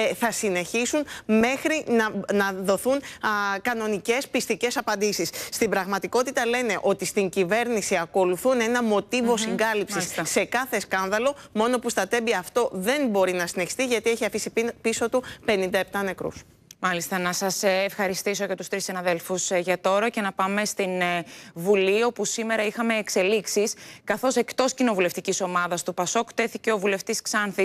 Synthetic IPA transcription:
θɐsine̞çisunme̞xɾinɐnɐðo̞θunkɐno̞nice̞spist̪ice̞sɐpɐnd̪isisːt̪imbɾɐɣmɐt̪iko̞t̪it̪ɐle̞ne̞ʔo̞t̪ist̪iɲɟive̞ɾnisiɐko̞luθune̞nɐmo̞t̪ivo̞siŋɡɐlipsisse̞kɐθe̞skɐnðɐlo̞mo̞no̞pust̪ɐt̪e̞biɐːft̪o̞ðe̞nbo̞ɾinɐsineçi̥st̪iʝɐt̪ie̞çiɐfisippiso̞t̪upe̞nind̪ɐep̚t̪ɐne̞kɾṵs | mɐlist̪ɐnɐsɐsːfxɐɾist̪iso̞ʝɐt̪ust̪ɾisinɐðe̞lfusʝɐt̪o̞ɾɐce̞nɐpɐme̞st̪invulio̞pusime̞ɾɐixɐme̞ːkse̞liksiskɐθo̞se̞kt̪o̞scino̞vule̞ft̪iciso̞mɐðɐst̪upɐso̞kt̪e̞θice̞o̞vule̞ft̪isksɐnθi

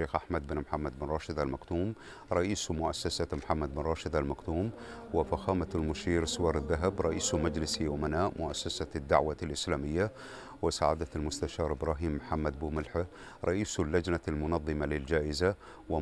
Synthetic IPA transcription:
ʃeːxʔaħmad̪̚bɪnmħamːad̪̚bɪnɾˤɑːʃɪd̪almakt̪uːm | ɾˤɑʔiːsmʊʔasːasamħamːad̪̚bɪnɾˤɑːʃɪd̪almakt̪uːmwɪfaxaːmaalmʊʃiːɾsʊwɑːɾˤɪðːaɦabɾˤɑʔiːsmad͡ʒlɪsaʔʊmanaːʔmʊʔasːasad̪ːa̰ʕwalʔɪslaːmɪjːa | wɪsaːʕad̪almʊst̪aʃɑːɾˤʔɪbɾˤɑːɦiːmːħamːad̪bumɪlħa | ɾˤɑʔiːslːad͡ʒnalmʊnɑðˤːɨmalɪld͡ʒaːʔɪza | wɪ

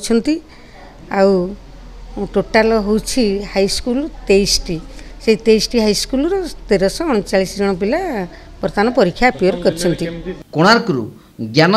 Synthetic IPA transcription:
t͡ʃʰɔnt̪i | aw | ʈoʈalɔɦowt͡ʃʰihajskult̪ejsʈiseit̪ejsʈiɦajskulɔɾɔt̪eɾɔsɔ̃ːɔt͡ʃaɭisd͡ʒɔɽ̃ɔpila | pɔɾt̪anɔpɔɾikʰːjapiɔɾkɔɾit͡ʃʰɔnt̪ikoɽ̃aɾkɾṵ | ɡjam

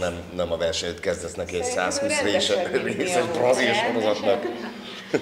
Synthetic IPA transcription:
nɛmnɛmɒvɛrʃɛɲøt̪kɛzd̪ɛsnɛkesaːshuːsreːʃvisonbrɒzilʃhoɾozɒt̪nɒk

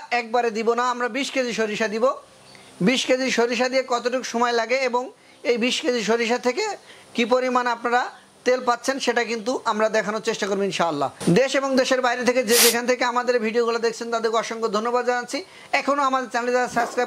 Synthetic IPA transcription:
ɛk̚baɾed̪ibonaamɾabiʃked͡ʑiʃoɾiʃad̪ibo | biʃked͡ʑiʃoɾiʃ̬ad̪iekɔt̪oʈukʃɔmɔelaɡeeboŋ | ejbiʃked͡ʑiʃoɾiʃat̪ʰeke | kip̬oɾimanapnaɾa | t̪elpat̪ːɕʰenʃeʈak̬int̪uʔamɾad̪ɛkʰanot͡ɕeʃʈakoɾboinʃaalːa̰d̪eʃeboŋd̪eʃeɾbajɾet̪ʰeked͡ʑed͡ʑekʰant̪ʰekeamad̪eɾbʱiɖioɡulad̪ekʰt͡ɕʰent̪ad̪eɾkɔʃoŋkod̪ʱonːobad̪d͡ʑanatːt͡ɕʰi | ɛkʰonoamad̪eɾt͡ɕɛnelid͡ʑaasabskɾaj

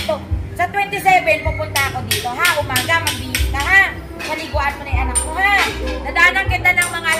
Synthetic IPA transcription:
t̪osɐt̪wɛnt̪ɪsɛvɛnpʊpʊnt̪aɐko̞d̪iːt̪o̞ɦahʊmaːɡamɐɡbiːlɪŋkɐɦa | sɐlɪɡuʔɐnkonɐjʔɐnak̚kohanɐd̪aanɐŋkɪnd̪anɐŋmɐŋa

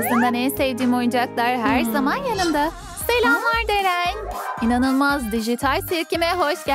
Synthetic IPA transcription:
sɯnd̪anɛsɛvd̪iːmo̞jud͡ʒaklˠaɾɦæɾzamanjanɯnd̪a | b̥elʲaɦaɾd̪eɾæninanɯlˠmazd̪iʒit̪ʰalʲsiɾcimɛɦoʃɟ

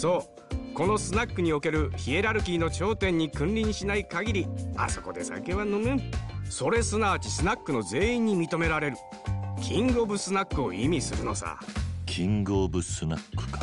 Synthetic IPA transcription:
so̞ː | ko̞no̞sɨnakːɯ̟ɲ̟io̞ke̞ɾɯ̟çie̞ɾaɾɯ̟kʲiːno̞t͡ɕo̞ːt̪ẽ̞ɲ̟ːikɯ̟̃nɾʲiɲɕinaikaɡʲiɾʲia̰so̞ko̞d̪e̞sa̰ke̞βanomɯ̃so̞ɾe̞sɨnaːt͡ɕisɨnakːɯ̟no̞ze̞ːĩɲ̟ːimʲit̪o̞me̞ɾaɾe̞ɾɯ̟ | kʲʰĩŋɡo̞bɯ̟sɨnakːɯ̟o̞imʲisɨɾɯ̟no̞̰sa̰kʲʰĩŋɡobɯ̟sɨna̰kːɯ̥kḁ

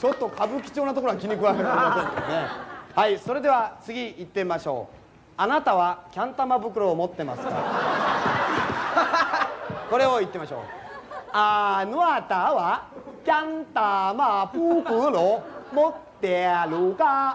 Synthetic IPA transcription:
t͡ɕo̞t̪ːo̞kʰabɯ̟kʲi̥t͡ɕo̞ːnat̪okoɾoakʲiɲ̟ikɯakeɾmasẽnd̪enehaiso̞ɾe̞d̪e̞βat͡sɨɡʲiit̪ːe̞maɕo̞̰ː | anat̪aβakʲãnt̪amabɯ̟k̬ɯ̟ɾo̞ːmo̞t̪ːe̞masɨ̥ka̰ | ko̞ɾe̞o̞it̪ːe̞maɕo̞̰ː | anɯat̪aβakʲãnt̪amabɯkɯɾomot̪ːe̞aɾɯka

